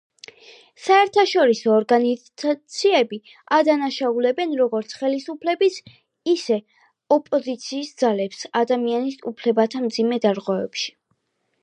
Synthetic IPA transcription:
saɛɾt̪ʰaʃɔɾisɔːɾɡani | at̪sʰiɛbi | ad̪anaʃaulɛbɛnɾɔɡɔɾt̪sʰχɛlisupʰlɛbis | isɛ | ɔpʼɔzit̪sʰiːsd̪zalɛpsad̪amianisṵpʰlɛbat̪ʰamd̪zimɛd̪aɾʁwɛvɛ̰pʃi̥

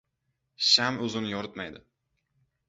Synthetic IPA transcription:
ʃamɵzɪnɪjɒɾɪt̪majd̪ɪ

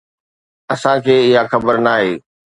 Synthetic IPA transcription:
ɐsãkʰeːɪɦaxɐbəɾnaːɦeː

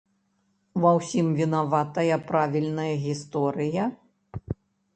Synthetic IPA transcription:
vɐwsʲimvʲinavat̪ɐjɐpɾavʲilʲnɐjɐɣʲist̪ɔɾɨjɐ

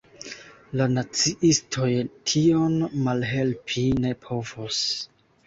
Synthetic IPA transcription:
lanat͡siʔistʰo̞jtʰio̞nmalɦe̞lpʰine̞pʰo̞vos

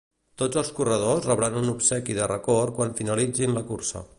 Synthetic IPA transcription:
t̪od͡zəlˠskurəð̞osrəβɾanunupsɛkiðərəkorkwanfinəlid͡zinləkuɾsə̰

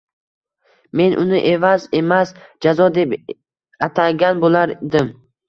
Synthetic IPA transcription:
me̞nʔʊnɪʔe̞vaze̞masd͡ʒazɒd̪e̞p | at̪ʰaɡʲanbolˠaɾd̪ɪm

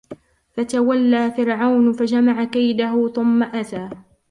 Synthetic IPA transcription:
fat̪awalːaːfɪɾʕawnfad͡ʒamaʕakajd̪aɦʊθʊmːaʔat̪aː

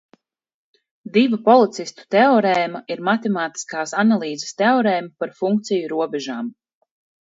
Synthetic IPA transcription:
d̪ivapɔlˠit̪sist̪u̥t̪ɛɔɾɛːmaiɾmat̪ɛmaːt̪i̥skaːsanalˠiːzɛ̥st̪ɛɔɾɛːjmpaɾfuŋk̚t̪sijuɾuɔbɛʒaːm

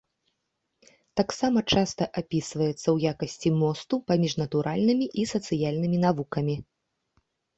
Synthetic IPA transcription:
t̪aksamɐt͡ʂast̪ɐʔapʲisvɐjɛt̪sːɐwjakɐsʲt͡sʲimɔst̪upamʲiʐnɐt̪uɾʔalʲnɨmʲiʔisɐt̪sɨjalʲnɨmʲinavukɐmʲi

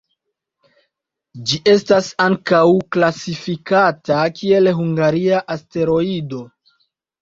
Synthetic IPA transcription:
d͡ʒiʔe̞stasaŋkawklasifikatakʰie̞lɦuŋɡaɾiaʔaste̞ɾo̞ido̞

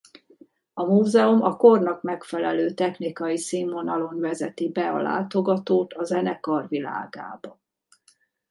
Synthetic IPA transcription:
ɒmuːzɛumɒko̞rnɒkmɛkfɛlɛløːt̪ɛxnikɒjisiːmonɒlo̞nvɛzɛt̪ibɛɒ̰la̰ːt̪o̞ɡɒt̪oːt̪ɒzɛnɛkɒrvila̰ːɡa̰ːbɒ

